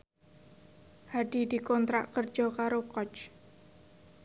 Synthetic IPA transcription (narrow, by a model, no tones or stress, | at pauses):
hadidi̤kɔnt̪ɾaʔkər̥d͡ʒ̥ɔkaɾokɔt͡ʃ